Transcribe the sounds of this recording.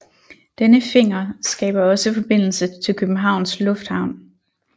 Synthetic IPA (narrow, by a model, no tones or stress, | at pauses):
d̥enəfe̝ŋ̰ɐsɡ̥ɛ̰ːb̥ɐɒ̽səfɒ̽b̥e̝n̰l̩sət͡sʰe̝lkʰøb̥m̩ɦɑ̈ʊ̰nslɔ̽fd̥hɑ̈ʊ̰n